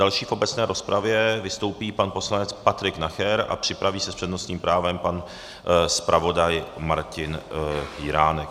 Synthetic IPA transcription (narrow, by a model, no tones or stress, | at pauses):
dalʃiːfʔobɛt͡snɛːɾʔo̞spɾavjɛvɪst̪o̞wpiːpanpo̞slanɛt͡spat̪ɾɪknaxɛɾa̰pr̝̥ɪpɾaviːsɛspr̥ɛdnost̪ɲiːmpɾaːvɛmpan | spɾʔavo̞dajmaɾcɪnhiɾaːnɛk